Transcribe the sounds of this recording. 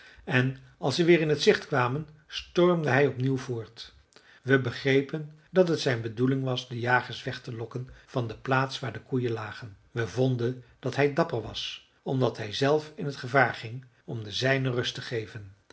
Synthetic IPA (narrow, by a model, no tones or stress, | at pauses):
ɛn | ɑlˠsəʋɪːɹɪnɦətsɪχtkʋaːmən | stɔɹmdəɦɛjɔpniwvʊːɹt | ʋəbəχrejpəndɑtɦətsɛjnbədulɪŋʋɑsdəjaːχəsʋɛχtəlɔkənv̥ɑndəplaːtsʋaːɹdəkujəlaːχən | ʋəvɔndənd̥ɑtɦɛjdɑpəɹʋɑ̰s | ɔmdɑtɦɛjzɛlˠfɪnɦətχəvaːɹχɪŋ | ɔmdəzɛjnərɵstəχejvən